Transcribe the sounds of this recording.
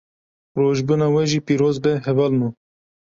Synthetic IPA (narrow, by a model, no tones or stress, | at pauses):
roːʒbunɑːwɛʒiːpiːɾoːzbɛɦɛvɑːlmu